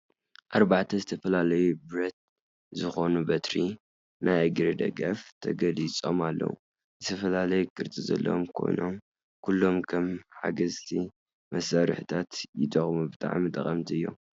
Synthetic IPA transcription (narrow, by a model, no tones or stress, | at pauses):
ʔaɾbaʕt̪ʰɐzɨt̪ʰɐfɐlalɐjubɨɾɐt̪̚ | zɨxonubɐt̪ɾi | nʔajɡɨɾid̪ɐ̰ɡɐft̪ʰɐɡɐlit͡sʼo̞malːɐ̰wu | zɨt̪ʰɐfɐlalɐjukʰɨɾt͡sʼizɐ̰lːɐ̰omkʰo̞̰jno̞m | kʰulːo̞mkʰɐmħa̰ɡɐzt̪ʰi | mɐsɐɾɨħɨt̪ʰat̪jɪd̪ɐχʼmubɨt̪ʼa̰ʕmit̪ʼɐχʼɐmt̪ʰiɨjːo̞̰m